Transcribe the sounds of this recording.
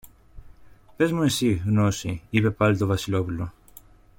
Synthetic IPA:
pe̞zmuisiɣnosiipe̞pɐlit̪o̞vɐsilo̞pulo

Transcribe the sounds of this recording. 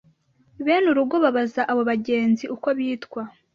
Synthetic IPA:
βeːnuɾuɡo̞βaβazaʔaβo̞βaɟe̞ːnziʔuko̞βjiːtkwa

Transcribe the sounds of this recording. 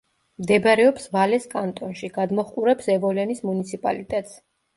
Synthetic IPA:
md̪ɛbaɾɛɔpsvalɛskʼant̪ʼɔnʃiɡ̥ad̪mɔχqʼuɾɛpsɛvɔlɛnismunit̪sʰipʼa̰lit̪ʼɛt̪ʼs

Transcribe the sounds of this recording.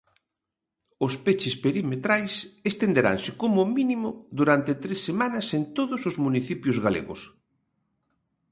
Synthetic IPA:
ʊspet͡ʃɪspeɾimet̪ɾajsest̪end̪eɾa̰ŋsɪkomʊminimʊðuɾant̪et̪ɾesːemanɐsent̪oðʊsʊzmuniθipjʊzɣalḛɣʊ̰s

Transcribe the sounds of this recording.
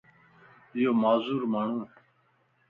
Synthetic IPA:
ɪjoːmaːzuːɾmaːɳ̤ũː

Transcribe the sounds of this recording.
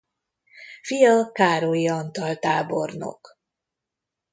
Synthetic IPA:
fijɒkaːɾojiɒnt̪ɒlt̪aːborno̰k

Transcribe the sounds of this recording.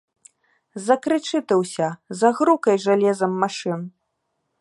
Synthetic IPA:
zɐkɾɨt͡ʂɨt̪ɨwsʲɐzɐɣɾukɐjʐalʲɛzɐmːaʂɨn

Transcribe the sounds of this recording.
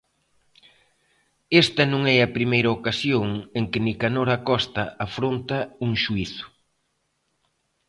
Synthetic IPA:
est̪ɐnõŋɛɐpɾimejɾɐokasjoŋeŋkɪnikanoɾakɔst̪ɐafɾont̪ɐuŋʃuiθʊ̥

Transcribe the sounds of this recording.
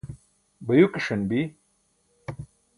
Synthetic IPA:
bɐjukiʂɐnbi

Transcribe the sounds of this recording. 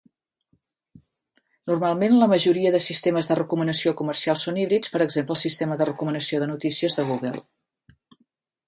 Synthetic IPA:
nurmalˠmenləməʒuɾiəðəsist̪eməzðərəkumənəsiokumərsialˠsːoniβɾit͡spəɾəɡzempləlˠsist̪eməðərəkumənəsioðənut̪isiəzðəɣuɣə̰lˠ

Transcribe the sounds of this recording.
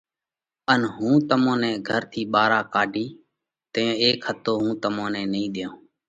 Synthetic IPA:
ənɦũːt̪əmõːnɛ̃ːɡʱəɾt̪ʰiːɓaːɾaːkaːɖʱiː | t̪əẽːeːkhət̪oːɦũːt̪əmãːnɛ̃ːnəĩːɗ̪ɪjõː

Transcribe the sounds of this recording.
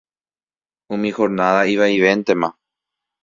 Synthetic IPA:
õmĩxoɾnaðaiʋaiʋe̞nt̪e̞mã

